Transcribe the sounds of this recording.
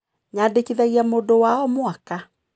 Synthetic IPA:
ɲadekiðaɣiamodowaɔmwaka

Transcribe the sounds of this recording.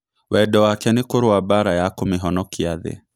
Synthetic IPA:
wɛdɔwakɛnekoɾoabaɾajakomeɦɔnɔkiaðḛ

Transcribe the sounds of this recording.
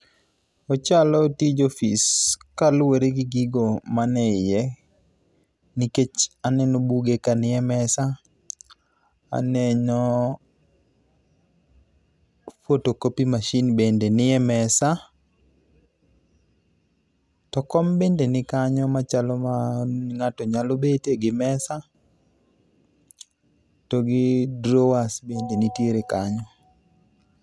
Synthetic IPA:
ɔt͡ʃalɔtid͡ʒofiskalwoɾeɡiɡiɡomanɛɪjɛ | niket͡ʃanɛnɔbuɡekanɪjɛmɛsa | a̰nɛɲɔ | fwotokopimaʃinbendenɪjɛmɛsa | tɔkɔmbendenɪkaɲɔmat͡ʃalomaŋatɔɲalobeteɡɪmɛsa | toɡɪdɾowasbendenitjeɾekaɲɔ

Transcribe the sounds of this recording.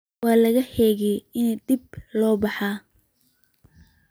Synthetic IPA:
wɑːlɐɣɐhɛːɣɛjɪnɛd̪ɪb̚lɔːbɑħɑː

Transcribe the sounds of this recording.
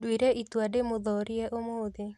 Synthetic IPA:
dwiɾeʔit̪wademʊðɔɾjɛʔomoðe

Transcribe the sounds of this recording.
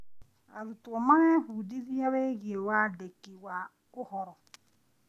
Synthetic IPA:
aɾutuɔmaneɦudizijaβeɣiewadekːiwa | ʊhɔɾɔ

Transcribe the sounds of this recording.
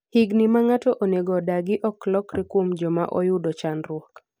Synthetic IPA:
hiɡnimaŋatɔʔoneɡodaɡɪʔɔklɔkɾikwomd͡ʒɔma̰ʔo̰jʊdot͡ʃanrʊɔk

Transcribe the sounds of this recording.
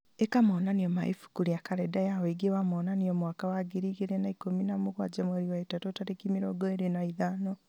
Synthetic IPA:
ekamɔːnaniɔma̰ḭfu̥kuɾiakaɾɛdajaweiɡewamɔːnaniɔmwakawaɡeɾiːɣeɾenaikominamuɣwad͡ʒamwaɾiwaetatotaɾekimiɾɔɡɔeɾenaiðaːnɔ

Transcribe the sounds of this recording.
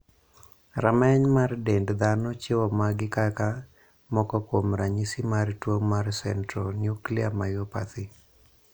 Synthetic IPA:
ramɛɲmardɛndd̪anot͡ʃɪwɔmaɡɪkaka | mɔkɔkwomɾaɲisimartwoŋmarsɛntɾɔnjukliamajɔpa̰t̪ɪ

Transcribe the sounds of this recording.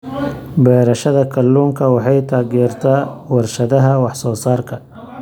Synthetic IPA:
bɛːɾɐʃɐðɐkʰɐlːuːŋkʰɐwɑħɑjt̪ʰaːɣɛːrt̪ʰaːwɑrʃɐðɐɦɐwɑħsɔːsaːrkʰɐ

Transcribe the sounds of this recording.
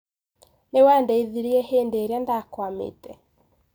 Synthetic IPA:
newandɛiðiɾiɛheːndeɾeandakwamḛtɛ

